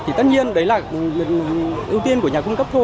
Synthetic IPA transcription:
t̪ʰi˨˩t̪ə˦˥t̚ɲi˧ənɗə˨˦jlaː˨˩ | ʔi˧əwt̪i˧ənku˧˩əɲaː˨˩ku˧ŋ͡mkə˦˥p̚t̪ʰo˧

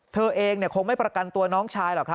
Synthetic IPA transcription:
t̪ʰɤː˧ʔeː˧ŋni˥˩ɐkʰo˧ŋma˥˩jpɾa˧ka˧nt̪u˧ɐnɔː˦˥ŋt͡ɕʰaː˧jlɔː˨˩kʰɾa˦˥

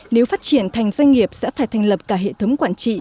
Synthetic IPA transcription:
ne˨˦wfaː˦˥t̚t͡ɕi˧˩ənt̪ʰa˨˩jŋ̟zwa˧ŋ̟ŋi˨˩əp̚sɛ̰˧˥faː˧˩jt̪ʰa˨˩jŋ̟lə˨˩p̚kaː˧˩ɦḛ˧˨t̪ʰə˨˦wŋ͡mkwaː˧˩nt͡ɕḭ˧˨

